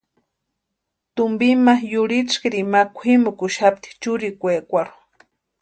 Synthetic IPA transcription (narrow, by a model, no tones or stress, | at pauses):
t̪ʊmbimajʊɾit͡ʃkiɾimakʷʰimʊkʊʃap̚t̪i̥t͡ʃʊɾikʷeːkʷaɾ